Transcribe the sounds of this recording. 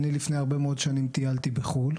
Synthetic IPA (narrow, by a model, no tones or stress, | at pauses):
nilifne̞jaʁbe̞meo̞d̪ʃanimt̪ijalt̪ibeχul